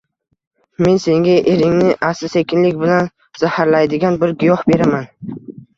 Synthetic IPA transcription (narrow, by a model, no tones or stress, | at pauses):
me̞nse̞ŋɡʲaʔe̞ɾɪŋnɪʔasɪse̞kʲɪnlɪkʲbɪlan | z̥ahaɾlajd̪ɪɡʲanbɪɾɡʲʊjɒhbe̞ɾaman